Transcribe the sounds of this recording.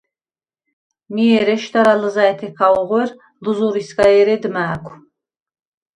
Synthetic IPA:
miɛɾɛʃt̪aɾaləzaɛt̪ʰɛkʰauʁʷwɛr | luzuɾiskʼajɛɾɛd̪maːkʷʰ

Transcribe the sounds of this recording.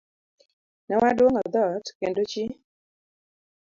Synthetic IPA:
nɛwadwoŋɔd̪ɔtkendot͡ʃi

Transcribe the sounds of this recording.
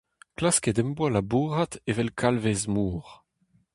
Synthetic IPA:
klaskedɛmbwalabuːʁatevɛlkʰalvezmuːʁ

